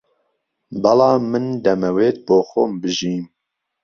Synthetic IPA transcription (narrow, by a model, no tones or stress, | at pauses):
bɑlɑːmɨnd̪ɛmɛweːt̪̚boːxombɨʒiːm